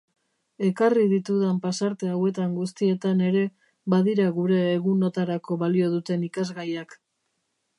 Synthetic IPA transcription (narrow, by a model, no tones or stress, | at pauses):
e̞kariðit̪uðampasaɾt̪e̞awe̞t̪aŋɡust̪ie̞t̪ane̞ɾe̞ | βaðiɾaɣuɾe̞ːɣuno̞t̪aɾako̞βalio̞ð̞ut̪e̞nikazɣajak